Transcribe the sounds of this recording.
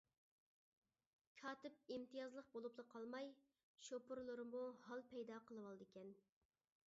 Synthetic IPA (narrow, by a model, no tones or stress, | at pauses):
kʲʰɑːt̪ɪp̚imt̪ʰɨjɑzlˠəq̚bolˠuplˠəqʰɑlˠmɑj | ʃopʊɾlˠɨɾɨmmuhɑlˠpʰɛjd̪ɑqʰəlˠɨwɑlˠɨd̪ɪkʲʰɛn